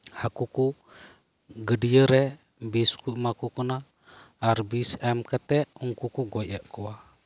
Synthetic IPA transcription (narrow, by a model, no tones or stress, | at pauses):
hakuku | ɡədiəɾɛ | biskuimakukunaː | rbisɛmkət̪ɛʔuŋkukuɡoʔaʔkua